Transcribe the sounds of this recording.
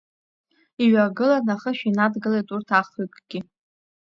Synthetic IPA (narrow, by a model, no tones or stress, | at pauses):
iɥaɡɨlanaχəʃᶣinadɡɨlejtʼurtʰaχukʼɡ̥ʲi